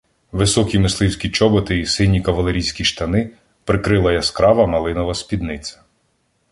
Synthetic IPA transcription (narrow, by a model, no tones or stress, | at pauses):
ʋɪsɔkʲimɪslˠɪwsʲkʲit͡ʃɔbɔt̪ɪisɪnʲːikɐʋɐlˠeɾʲijsʲkʲiʃt̪ɐnɪ | pɾɪkɾɪlˠɐjɐskɾɑʋɐmɐlˠɪnɔʋɐspʲid̪nɪt̪t͡s̪ʲɐ̥